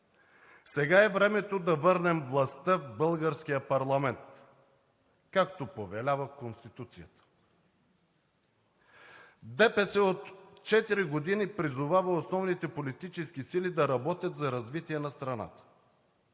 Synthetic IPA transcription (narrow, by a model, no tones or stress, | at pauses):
sɛɡaɛvɾɛmɛt̪od̪ɐvɤɾnɛmvlˠɐst̪əvbɤlˠɡəɾskijəpɐɾlˠɐmɛnt̪ | kakt̪opovɛlʲavəkonst̪it̪ut̪sijət̪ə̥ | d̪ɛpɛsɛot̪t͡ʃɛt̪iɾiɡod̪inipɾizʊvavəosnɔvnit̪ɛpolit̪it͡ʃɛsk̟isilid̪ɐɾɐbɔt̪ʲjət̪zɐɾɐzvit̪iɛnɐst̪ɾɐna̰t̪ə̥